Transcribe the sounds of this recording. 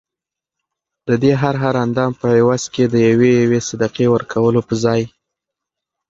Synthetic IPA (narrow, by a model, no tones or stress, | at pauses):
d̪̥əd̪eɦaɾɦaɾand̪ɑmpəewazked̪əjawejawesad̪aqewəɾkʰawəlopəzɑj